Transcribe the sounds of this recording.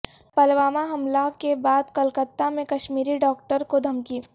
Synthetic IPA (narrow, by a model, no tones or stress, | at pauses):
pɐlʋaːmaɦɐmlakebaːd̪kɐlkət̪ːamẽkɐʃmiːɾiɖɔːk̚ʈəɾkod̪ʱɐmki